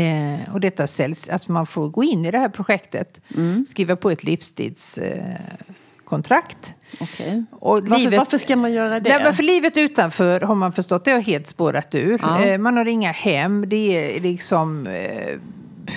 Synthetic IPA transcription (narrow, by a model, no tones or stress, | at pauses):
ɔd̪ɛt̪ːasɛlsa̰t̪manfoːɾɡoːɪnːɪd̪ɛhæːɾpʰɾʊɧɛkt̪ə̰t̪skɾiːvapʰɔɛt̪ʰlɪfst̪ʰḭːd̪s | kʰɔnt̪ʰɾakt̪ɔkʰɛ̰ʔɔliːvəaəʂkamanjœːɾadnɛmɛnfœɭiːvət̪ʉ̟ːt̪anfœːɾɦaɾmanfœʂʈɔt̪̚ːd̪ɛhaɦeːlt̪spoːɾʔat̪ʉ̟ːɾmanhaɾɪŋːahɛmːd̪ɛɛlɪksɔm